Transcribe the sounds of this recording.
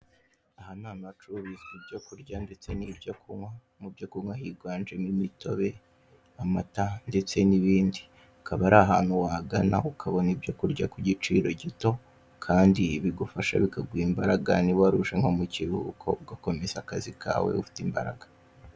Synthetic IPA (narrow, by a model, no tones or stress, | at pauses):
ahanaːnat͡ʃuβizibɟo̞kuɾɟande̞t͡se̞nibɟokuwa | mubɟokuŋwaɦiɡwaːnd͡ʒemimito̞̰βe̞ | amatande̞t͡se̞niβiːndi | akʰaβaɾaɦaːn̥huwaɡana̰ukʰaβo̞nibɟo̞kuɾɟakuɟit͡ʃiːɾo̞ɟito̞ | kʰaːndiβiɡufaʃa̰βikaɡwiːmbaɾaɡaniβaɾuʃeŋho̞muciβiukʰo̞̰bɡako̞me̞zakazikʰa̰ːwḛufi̥timba̰ɾa̰ɡḁ